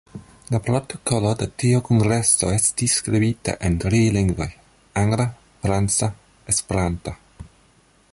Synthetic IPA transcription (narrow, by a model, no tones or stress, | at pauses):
lapɾotokolodetiokoŋɡɾeso̞estisːkɾibita̰ʔentɾiliŋɡvoj | aŋɡla | fɾant͡sa | espeɾanta